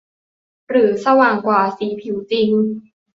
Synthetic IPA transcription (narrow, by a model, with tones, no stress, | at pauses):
ɾɯː˩˦sa˧waː˨˩ŋkwaː˨˩siː˩˦pʰiː˩˦wt͡ɕi˧˩ŋ